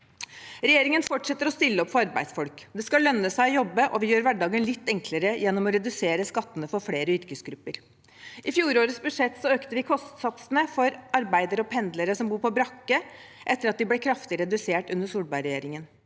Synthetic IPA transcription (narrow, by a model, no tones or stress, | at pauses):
ɾɛjeːɾɪŋənfɔʈʂɛt̪ːəɾɔst̪ɪlːəɔpfɔɾɑɾbæ̰ɪd̪sfɔlkd̪ɛskɑlːœnːəsæɪɔjɔbːəʔɔʋɪjøːɾʋæɖɑːɡənlɪt̪ːɛŋkləɾəjɛnːɔmɔɾɛd̪ʉseːɾəskɑt̪ːənəfɔɾfleːɾəʏɾkəsɡɾʉpːəɾ | ʔɪfjuːɾoːɾəsbʉdʂɛt̪ːsɔøːkt̪əʋɪkʰɔst̪sɑt̪sənəfɔɾɑɾbæɪd̪əɾɔpʰɛnd̪ləɾəsɔmbuːɾpʰɔbɾɑkːəʔɛt̪ːəɾɑt̪̚d̪ɪblɛkʰɾɑft̪ɪɾɛd̪ʉseːʈʉnəʂuːlbɑɪɾɛjeːɾɪŋən